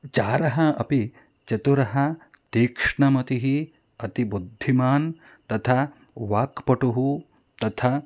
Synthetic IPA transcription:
t͡ʃaːɾɐɦɐɐpi | t͡ʃɐt̪uɾɐɦɐ | t̪eːkʂɳɐmɐt̪iɦi | ɐt̪ibud̪ʱːimaːn | t̪ɐt̪ʰa | ʋaːkpɐʈuɦu | t̪ɐt̪ʰa

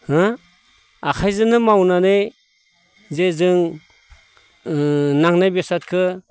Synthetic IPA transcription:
hɯ | akʰajzɯnɯmawnanej | zezɯŋ | naŋnajbesat̚kʰɯ

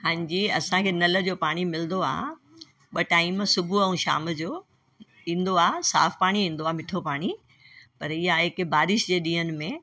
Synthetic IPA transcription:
ɦãːɲd͡ʑiɐsãkʰeːnɐlə̆d͡ʑoːpaːɽ̃imɪlnd̪oa̰ː | ɓɐʈaːɪmsʊbʱuɐ̃ũʃa̰ːmd͡ʑoː | ĩːn̆d̪oaːsa̰ːfpaːɽ̃iĩːnd̪oaːmɪʈʰopaːɽ̃i | pɐɾɪɦaɦɪkbaːɾɪʃd͡ʑeːɗĩːɦənɪ̆mẽ

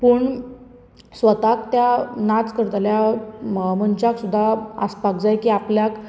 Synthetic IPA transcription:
pəːɳ | sʋət̪akt̪janat͡skəɾt̪alja | məɲt͡ɕaksud̪ʱːaə̰spakd͡zajkiːapljak

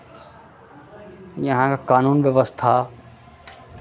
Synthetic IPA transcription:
jɐɦãkakaːnuːnʋjəʋəst̪ʰaː

